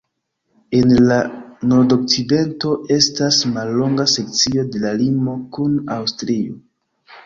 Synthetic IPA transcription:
e̞nlano̞ɾdo̞k̚t͡side̞nto̞e̞stasmalːo̞ŋɡase̞k̚t͡sio̞de̞lalimo̞kunawstɾio

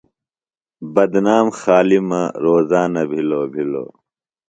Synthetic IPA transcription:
bɐd̪naːmxaːlimɐɾoːzaːnɐbʱiloːbʱilo̰ː

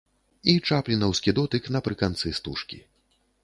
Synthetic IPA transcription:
it͡ʂaplʲinɐwskʲid̪ɔt̪ɨknɐpɾɨkant̪sɨst̪uʂkʲḭ

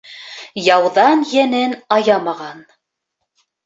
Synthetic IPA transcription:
jɑwðɑnjænɘnɑjɑmɑʁɑn

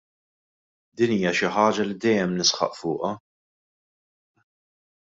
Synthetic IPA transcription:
d̪iːniːjɐʃɪħɐːd͡ʒɐlid̪ɛjːɛmnɪsħɐ̰ʔfʊːʔɐ

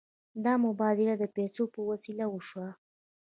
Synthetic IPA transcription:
d̪ɑmʊbɑd̪ɪlad̪əpesopəwasilawəʃwa

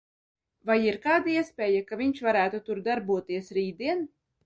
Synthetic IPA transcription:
vajiɾkaːd̪aiɛspʲɛːjakaviɲʃvaɾæːt̪ut̪uɾd̪aɾbuɔt̪iɛsɾiːd̪iɛn

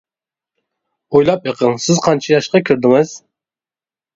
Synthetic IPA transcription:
ojlˠɑpjɨqʰəŋsɪzqʰɑnt͡ʃʰɑjɑʃqɑkʲʰyɾd̪ɪŋɪz̥

